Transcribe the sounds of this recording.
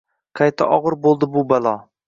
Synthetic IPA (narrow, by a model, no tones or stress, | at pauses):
qʰajt̪ʰa̰ʔɒʁɨɾbolˠd̪ɪbʊbalˠɒ